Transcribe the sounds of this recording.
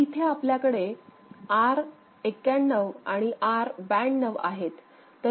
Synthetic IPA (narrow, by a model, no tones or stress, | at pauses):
it̪ʰeapljakəɽe | aɾ | ekjanːəʋaɽ̃iʔaɾbæɳːəʋa̰ɦet̪ː | ə